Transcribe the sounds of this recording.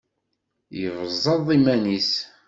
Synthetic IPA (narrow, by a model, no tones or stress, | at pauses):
jəvzˤːɑðˤimænis